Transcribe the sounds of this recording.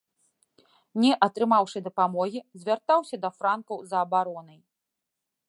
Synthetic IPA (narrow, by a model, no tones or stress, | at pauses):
nʲɛʔɐt̪ɾɨmawʂɨd̪ɐpamɔɣʲizʲvʲart̪awsʲɐd̪ɐfɾankɐwzɐːbaɾɔnɐj